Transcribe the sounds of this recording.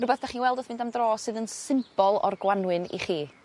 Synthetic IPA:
rʊbɛθd̥aχiːnwɛlˠdoθmɪ̃ndamdrɔːsɨːðənsɪmpɔlˠɔ̰rɡwanwɨnḭχiː

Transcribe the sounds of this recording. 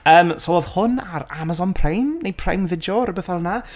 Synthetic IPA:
əːmsoɔðhʊnaɾamazɔnpʰrejmnejpʰr̥ejmvɪdjɔɾəbɛθalˠəna

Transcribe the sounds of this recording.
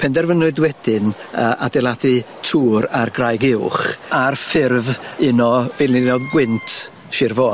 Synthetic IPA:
pʰɛndɛrvənʊɨdwɛd̥ɪnəːʔadɛlˠadɨ | tʰuːɾarɡrajɡɪwχarfɪrvɪnɔvɪːlˠnɪdnɔðɡwɪntʰ | ʃɪrvɔ

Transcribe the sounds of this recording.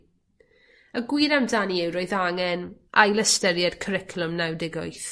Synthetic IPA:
əɡwiːɾamdaniɛwɾoɨðaŋɛnʔa̰jləstɛɾjad̥kʰəɾɪkʰlˠʊmnawdɪɡʊjθ

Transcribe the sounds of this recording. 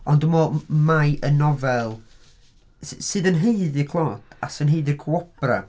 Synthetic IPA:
ɔndumɔmajʔənɔvɛlˠ | sɨːðənɦejðɨkʰlˠɔːtʰa̰sənɦejðɨrkʰuɔb̥ra̰

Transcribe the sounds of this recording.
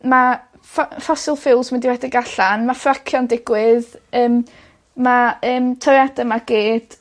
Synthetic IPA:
ma | fɔfɔsɪlˠfɪlˠzmɪndɪwɛdɪɡaɬanmafrakʰjɔndɪɡwɪðəːm | maəːmtʰɔɾɛdəmaɡ̥eːd̥

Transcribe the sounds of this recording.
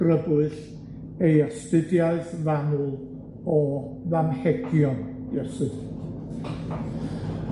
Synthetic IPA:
rəbʊɨɬ | ejastɨdjaɨðvanʊlˠ | ɔvamhɛɡjɔn | ɔsɨð

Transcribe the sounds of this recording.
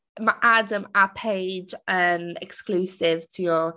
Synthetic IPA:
məʔadəməpʰeɪd͡ʒənɛ̰ksklʉːsɪv̥tʰəjə

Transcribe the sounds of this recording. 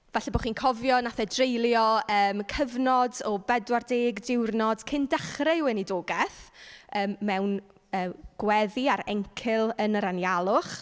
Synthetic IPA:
v̥ɛɬɛboχiːnkʰɔvjɔnaθɛdrejlˠjɔəːmkʰəvnɔdɔbɛdwardeːɡdɪwrnɔd̥kʰɪndaχrɪwɛnidoːɡɛθəːmːɛwn | əːɡ̥wɛðiaɾɛŋkʰɪlˠənəɾanjalˠʊχ

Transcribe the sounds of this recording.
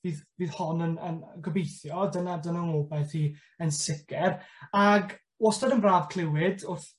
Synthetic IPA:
viːðviːð̥hɔnənə̰nɡəbejθjɔdənadənaŋɔːbɛθiː | ənsɪkʰɛraɡ | wɔstɔdənbraːvkʰl̥ˠɪwɪdʊrθ

